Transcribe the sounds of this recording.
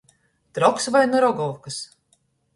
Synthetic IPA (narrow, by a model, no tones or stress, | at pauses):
t̪ɾɔksvajnɨɾɔɡɔwkɨs